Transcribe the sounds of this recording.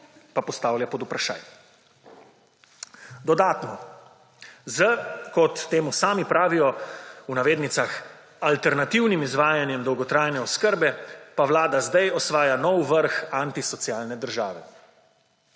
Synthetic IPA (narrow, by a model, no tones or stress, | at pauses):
papɔst̪aːwljapɔd̪upɾaʃa̰ːj | d̪ɔd̪aːt̪nɔ | zəkɔt̪ːeːmusaːmipɾaːʋijɔunaʋeːd̪nit̪sax | alt̪ɛɾnat̪iwnimizʋaːjanjɛmd̪ɔwɡɔt̪ɾajnɛɔskəɾbɛpaʋlaːd̪azd̪ajɔsʋaːjanɔwʋəɾxant̪isɔt̪siaːlnɛd̪əɾʒaːʋɛ